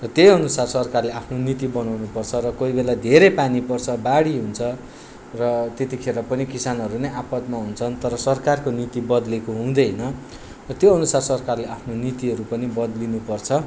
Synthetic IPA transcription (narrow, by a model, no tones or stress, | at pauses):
rʌt̪jejʌnusarsʌrkarleapʰnonit̪ibʌnawnupʌrt͡sʰʌɾʌkoibelad̪ʱeɾejpanipʌrt͡sʰʌbaɽiɦunt͡sʰʌ | rʌt̪et̪ikʰeɾapʌnikisanʌɾunʌjapʌt̪maɦunt͡sʰʌnt̪ʌɾʌsʌrkarkonit̪ibʌd̪lekoɦũd̪ʌjnʌ | rʌt̪joʌnusarsʌrkarleapʰnonit̪iɦʌɾupʌnibʌd̪linupʌrt͡sʰʌ